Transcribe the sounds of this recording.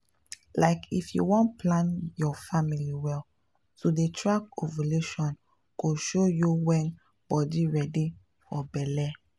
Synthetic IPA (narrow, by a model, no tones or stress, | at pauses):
laɪkʰifjṵwɔ̃ntpʰlãnjɔfamiliwɛl | todetʰɹakovoleʃɔ̃n | koʃojuwɛ̃n | b̥ɔdiɹɛdi | fɔbɛlɛ